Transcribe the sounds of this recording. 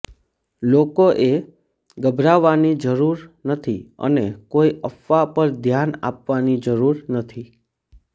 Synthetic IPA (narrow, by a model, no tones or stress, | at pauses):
lokoʔe | ɡəbʱɾaʋːanid͡ʒəɾuɾnət̪ʰiə̰nekoiʔəfʋapəɾd̪ʱjana̰pʋanid͡ʒəɾuɾnət̪ʰi